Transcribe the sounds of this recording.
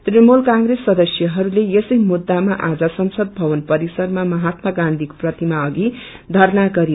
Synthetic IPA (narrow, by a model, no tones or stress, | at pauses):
t̪rimolkãŋɡresːʌd̪ʌsjʌɦʌɾulejesʌjmud̪ːamaʔad͡zʌsʌmsʌd̪̚bʱʌwʌnpʌɾisʌrmamʌɦat̪mʌɡãnd̪ʱiko̥prʌt̪imaʌɡi | d̪ʱʌɾnaɡʌɾi